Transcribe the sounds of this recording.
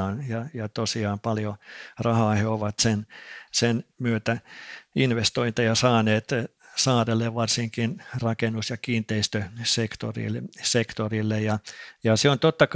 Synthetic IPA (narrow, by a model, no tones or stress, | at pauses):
njɑjɑt̪osiɑːmpɑljorɑhɑːheoʋɑt̪sensenmyøt̪æinʋest̪oint̪ɑjɑsɑːneːt̪ | sɑːrelːeʋʋɑrsiŋkinrɑkenːusjɑkiːnt̪eist̪øsekt̪o̰rḭlsekt̪orilːejjɑjɑseont̪ot̪ːɑk